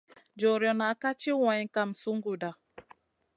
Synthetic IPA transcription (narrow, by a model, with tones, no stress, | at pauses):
d͡ʒɔ˨ɾjɔ˨na˨˦ka˦t͡ʃi˦wã˨jka˨msu˦ŋɡu˨da˨